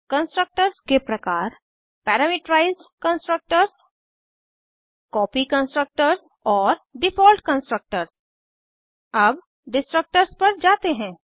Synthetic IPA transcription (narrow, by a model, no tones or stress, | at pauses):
kə̃nsʈɾək̚ʈəɾzkepɾɐkaːɾ | pɛːɾəmɪʈɾaːɪzɖkə̃nsʈɾək̚ʈəɾz | kɔːpikə̃nsʈɾək̚ʈəɾz | ɔːɾɖɪfɔːlʈkə̃nsʈɾək̚ʈəɾz | ɐb | ɖɪsʈɾək̚ʈəɾzpɐɾd͡ʒaːt̪eɦɛ̃ː